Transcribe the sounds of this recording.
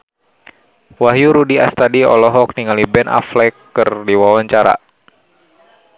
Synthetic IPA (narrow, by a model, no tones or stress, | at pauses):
waɦjuɾudia̰st̪adiɔ̰lɔɦɔk̚niŋalibɛnʔa̰flɛkːɨrdiwawaɲt͡ʃaɾa̰